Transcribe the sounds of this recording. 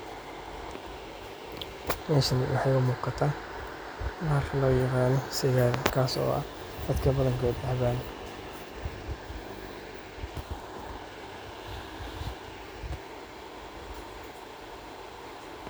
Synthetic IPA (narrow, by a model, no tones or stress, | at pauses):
mɛːʃɐnɪwʔɑħɑjʊmuːqɑt̪ʰaː | naːrkʰɐlɔːjɑqɑːnɔsɪɣaːɾkʰaːsɔ̰ːʔɐ̰ | d̪̥ɐd̪kʰɐbɐðɐŋkʰɔːd̪ɐβaːn